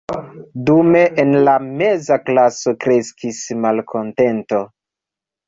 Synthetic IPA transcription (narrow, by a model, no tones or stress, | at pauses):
dume̞ʔenlame̞zaklaso̞kɾe̞skismalkʰo̞nte̞nto̞